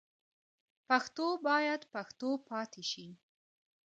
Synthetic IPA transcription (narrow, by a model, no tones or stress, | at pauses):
paxt̪obɑjad̪paxt̪opʰɑt̪eʃi